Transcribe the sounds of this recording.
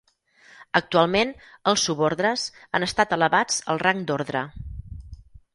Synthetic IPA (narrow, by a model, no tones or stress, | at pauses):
ək̚t̪ualˠmenəlˠsːuβoɾðɾəzanəst̪at̪ələβad͡z̥əlˠraŋd̪oɾðɾə̰